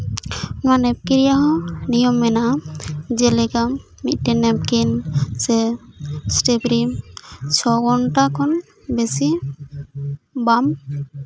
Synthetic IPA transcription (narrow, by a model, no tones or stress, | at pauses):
nanɛp̚kiɾijaɦɔ̃nijɔmːɛnad͡ʒɛlɛka | mit̪̚ˀʈɛnɛp̚kinsɛ | sʈepɾimt͡ʃʰɔɡɔnʈakʰɔn | besi | bam